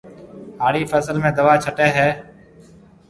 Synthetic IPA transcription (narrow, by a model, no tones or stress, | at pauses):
ɦaːɽiːfəzəlmẽːd̪əʋaːt͡ʃʰəʈeːɦɛː